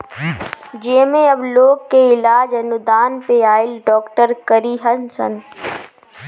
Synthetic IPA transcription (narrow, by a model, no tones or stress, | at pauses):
d͡ʒeːmẽɐbloːɡkeɪlaːd͡ʒɦɐnʊd̪aːnpeaːɪlɖɔːkʈəɾkəɾiɦɐnsə̰n